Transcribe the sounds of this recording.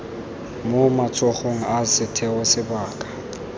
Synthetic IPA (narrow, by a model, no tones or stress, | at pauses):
momat͡sʰʼɔχoŋ̩asɪtʰɛɔsɪbaːkʼḁ